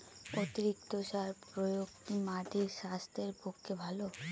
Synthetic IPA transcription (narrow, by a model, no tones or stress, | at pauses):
ot̪iɾik̚t̪oʃaepɾojokt̪imaʈiɾʃast̪ʰeɾpokʰːebʱalo